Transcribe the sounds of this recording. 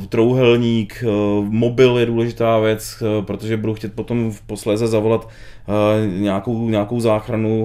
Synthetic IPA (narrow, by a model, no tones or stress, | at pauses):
t̪ɾowɦɛlɲiːkmo̞bɪljɛduːlɛʒɪt̪aːvjɛt͡spɾot̪oʒɛbuduxciːt̪̚po̞t̪o̞mfpo̞slɛːzɛzavo̞lat̪ | ɲɛakowɲɛako̞wzaːxɾanu